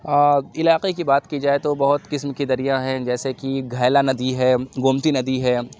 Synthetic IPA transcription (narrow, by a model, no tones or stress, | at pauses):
ɪlaːqekibaːt̪kid͡ʒaːet̪obɐɦʊt̪kɪsmkid̪ɐɾijaɦɛ̃d͡ʒɛːsekiɡʱaːlanɐd̪iɦɛːɡʊːmt̪inɐd̪iɦɛː